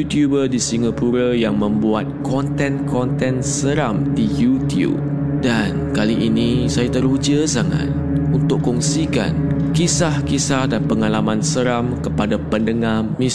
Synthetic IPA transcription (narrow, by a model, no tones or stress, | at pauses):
ut̪jubədisiŋapuɾəjaŋmə̃mbuat̪̚kɔnt̪ɛ̃nkʰɔnt̪ɛ̃nsəɾamdijut̪jṵb̚ | dankaliʔinĩsajat̪əɾud͡ʒəsaŋa̰t̪̚unt̪ʊkkːɔŋsika̰nkisahkisahdanpəŋalamãnsəɾamkəpadapəndəŋamĩ